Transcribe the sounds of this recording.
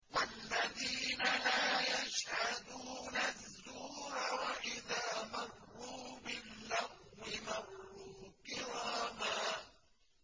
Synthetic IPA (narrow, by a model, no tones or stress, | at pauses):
walːaðiːnalaːjaʃhad̪uːnazðːuːɾawaʔɪðaːmɑrːuːbɪlːaɣɪmɑrːuːkɪɾɑːmaː